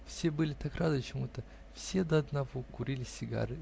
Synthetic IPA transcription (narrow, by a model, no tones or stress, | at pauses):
fsʲe̞bɨlʲɪt̪akrad̪ɨt͡ɕɪmut̪ə | fsʲed̪əɐd̪nɐvo̞kʊɾʲilʲɪsʲːɪɡa̰ɾɨ